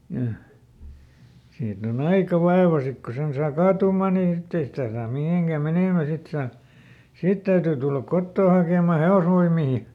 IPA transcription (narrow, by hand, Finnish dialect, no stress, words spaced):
jɑ siːt on ɑikɑ ʋɑeʋɑ sik ko sen sɑː kɑːtuːmˑɑˑ ni sitːe ei sitæˑ sɑːm miheˑŋkæ meneˑmæ sit sɑː sit tæytyː tulːɑk kotːoː hɑkeˑmˑɑ heosʋoimˑiː